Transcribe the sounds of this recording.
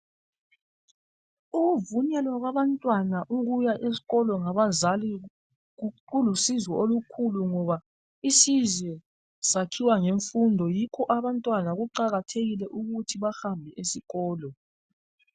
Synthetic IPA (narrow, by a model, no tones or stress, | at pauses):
uɣuvuɲɛlwaɣwaβantʼwanaʔuɣujaʔesi̥ɣɔlɔŋaβazali | ɣuǃulusizwɔolukʰuluŋɔβa | isizwɛ | sakʰiwaŋeɱfundʱɔjikʰɔʔaβantʼwanaɣuǃaɣatʰeɣilɛʔuɣutʰiβaxambʱɛʔesiɣɔːlɔ